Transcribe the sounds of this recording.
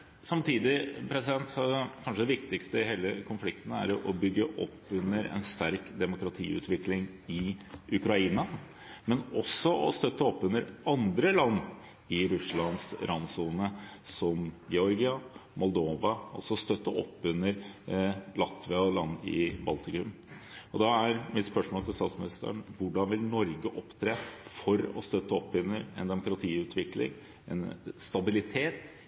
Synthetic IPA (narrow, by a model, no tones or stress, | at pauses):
sɑmt̪ʰiːd̪ɪpʰɾɛsɪd̪ɛnt̪sɑkʰɑnʂəd̪ɛʋɪkt̪ɪkst̪əɪɦeːləkʰʊnflɪkt̪ənəæ̰ɾɔbʏɡːəʔɔ̰pːʉnːəɾɛ̰nst̪æɾkd̪ɛmʊkɾɑt̪ʰiːʉ̰ːt̪ʰʋɪklɪŋ | ɪʔʉkɾɑiːnɑ | mɛnɔsːɔɔst̪œt̪ːəɔpːʉnːəɾɑnd̪ɾəlɑnː | ɪɾʉslɑnsɾʔɑnsuːnəsɔmɡɛɔɾɡɪɑmɔlˠd̪oːʋɑɑ̰lsɔst̪œt̪ːəʔɔpːʉnːəɾ | lɑt̪ʰʋəɔlɑnːɪ̰bɑlt̪ɪkʉm | ɔd̪ɑæɾmɪt̪spœʂmolt̪ʰɪlsɑːt̪smɪnɪst̪ə̰ə̰ɳʋʊɖɑnʋɪlnɔɾɡəʔɔpt̪ʰɾefɔɾɔ̰st̪œt̪ːəɔpːʉnːəɾɛ̰nd̪ɛmʊkɾɑt̪ʰiːʉːt̪ʰʋɪklɪ̰ŋ | ɛ̰nst̪ɑbɪlɪt̪ʰeːt̪